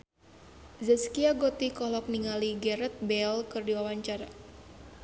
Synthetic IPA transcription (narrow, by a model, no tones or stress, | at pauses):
zəskiaɡot̪ikɔlɔk̚niŋaliɡɛɾɛt̪̚bɛlkɨrdiwawaɲt͡ʃaɾa